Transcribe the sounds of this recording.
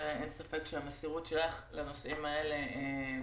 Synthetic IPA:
aʔensafekʃelamesiʁutʃe̞laχlanosimae̞le̞e

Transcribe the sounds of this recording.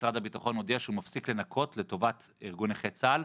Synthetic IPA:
sʁadabitaχo̞nodeaʃeumafsikle̞nakʰo̞tle̞to̞vatiʁɡuneχet͡sal

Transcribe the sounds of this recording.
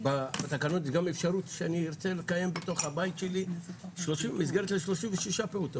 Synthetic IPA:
babat̪akanot̪iɡamefʃaʁut̪ʃeaniːʁt͡selekaje̞mbet̪o̞χhabajit̪ʃeliʃloʃimizɡe̞ʁet̪leʃlo̞ʃimveʃiʃapeuto

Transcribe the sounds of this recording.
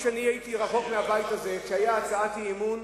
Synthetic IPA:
ʃaniajit̪iʁaχo̞kmeabajt̪aze̞kʃehajaːt͡saat̪iemun

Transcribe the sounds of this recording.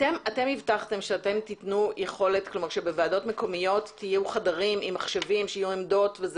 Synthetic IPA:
temate̞mivtaχte̞mʃeate̞mt̪itnujeχo̞le̞tklomaʁʃebe̞veado̞tme̞ko̞mijo̞tːijɛuχadaʁimimːaχʃevimʃeijuemdo̞tvez

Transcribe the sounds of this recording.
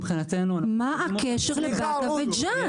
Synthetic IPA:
bχinat̪enuamaʔakeʃeʁlebadaved͡ʒa

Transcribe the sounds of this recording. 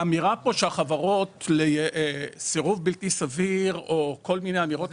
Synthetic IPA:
amiʁapo̞ʃeaχavaʁo̞t̪lejeʔsiʁuvbiltisaviʁo̞ko̞lmine̞jamiʁo̞t

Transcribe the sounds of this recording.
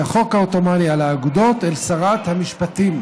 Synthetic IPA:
aχo̞khaot̪o̞manialaːɡud̪o̞t̪elsaʁat̪hamiʃpat̪im

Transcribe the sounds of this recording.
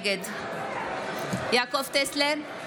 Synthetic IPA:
ɡet̪ | jakɔft̪eslɛ

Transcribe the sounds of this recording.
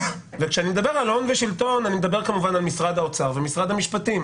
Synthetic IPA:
vekʃeanimed̪abe̞ʁalho̞nveʃilt̪o̞nanimed̪abe̞ʁkamuvanalmisʁad̪aot͡saʁvemisʁad̪hamiʃpat̪im

